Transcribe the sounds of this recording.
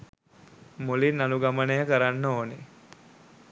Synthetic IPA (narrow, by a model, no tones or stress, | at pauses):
molinːaluɡamənəjəkəɾanːəoːne